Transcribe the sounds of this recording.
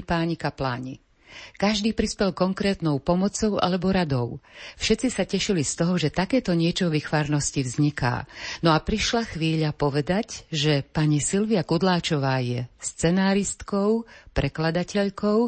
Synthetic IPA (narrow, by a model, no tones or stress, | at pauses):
paːɲikapla̰ːɲḭ | kaʒd̪iːpɾispɛlkɔŋkɾɛːt̪nɔʊpɔmɔt͡sɔʊʔa̰lɛbɔɾad̪ɔʊfʃɛt̪t͡sisacɛʃilist̪ɔɦɔʒɛt̪akɛːt̪ɔɲɪɛt͡ʃɔʋixʋaːɾnɔscivzɲika̰ːnɔapɾiʃlaxʋiːʎapɔʋɛd̪acʒɛpaɲisilʋiakud̪laːt͡ʃɔʋaːjɛst͡sɛnaːɾist̪kɔʊpɾɛklad̪acɛʎkɔʊ